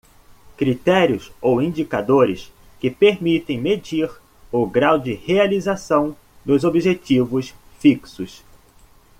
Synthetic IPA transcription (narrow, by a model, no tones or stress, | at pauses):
kɾit̪ɛɾjʊsowĩd͡ʒikad̪oɾɪs | kɪpeɾmit̪ẽj̃med͡ʒiɾ | ʊɡɾawd͡ʒɪhealizasɐ̃w̃ | d̪ʊzobiʒet͡ʃivʊsfiksʊs